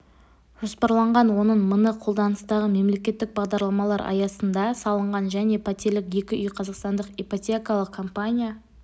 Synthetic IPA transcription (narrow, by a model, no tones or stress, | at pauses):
ʒ̥o̞spɑɾlˠɑɴʁɑnwo̞nəɴmənəqʰolˠd̪ɑnəst̪ɑʁəme̞mle̞kʲe̞t̪ːɪk̚bɑʁd̪ɑɾlˠɑmɑlˠɑɾɑ̰jɑsənd̪ɑsɑlˠəɴʁɑnʒæne̞pʰat̪e̞ɾlɪkje̞kʲɪʔʏjqʰɑzɑqst̪ɑnd̪əqipot̪ʲekɑlˠəqkʰːompanʲija